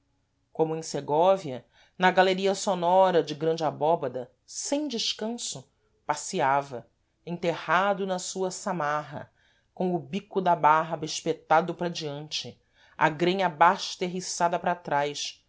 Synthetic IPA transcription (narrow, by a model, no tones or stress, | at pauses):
kõmʊẽj̃seɡɔviɐ | nɐɡaleɾiɐsonɔɾɐd͡ʒɪɡɾɐ̃nd͡ʒabɔbɐd̪ɐ | sẽj̃d͡ʒɪʃkɐ̃sʊ | pasiavɐ | ẽt̪ehad̪ʊnɐsuɐsamaɦɐ̰ | kõw̃ʊbikʊd̪ɐbaɦbɐɪʃpet̪ad̪ʊpɾɐd͡ʒiɐ̃nt͡ʃɪ | a̰ɡɾẽɲɐbaʃt̪eɦisad̪ɐpɾat̪ɾajʃ